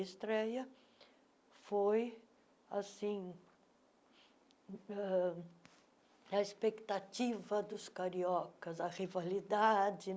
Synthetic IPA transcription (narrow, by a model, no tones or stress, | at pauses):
ist̪ɾɛjɐ | foj | asĩ | ɛ | ɐespekt̪at͡ʃivɐd̪ʊskaɾiɔkɐzɐʁivalid̪ad͡ʒɪ